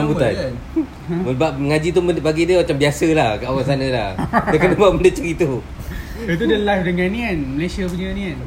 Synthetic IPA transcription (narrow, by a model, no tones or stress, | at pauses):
mbut̪an | məbaʔməŋad͡ʒit̪umbaɡidəmat͡ʃambiasəlahkəawasanə̃la̰hdəkənəbaʔməndət͡ʃəɾit̪u | it̪̬udəlafdəŋanĩanməlasiakuɲanian